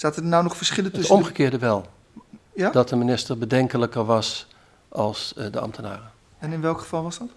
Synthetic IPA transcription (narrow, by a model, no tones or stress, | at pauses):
staːtədnawnɔχfəɹsχɪləɵsɔmχəkɪːəɹdəʋɛlˠ | jadɔtdəminɪstərbədɛŋkələkərʋɑs | ʔɑlˠsdəɑ̰mtʰəna̰ːrə | ɛnɪnʋɛlˠkχə̥v̥ɑlˠʋɑsdɑt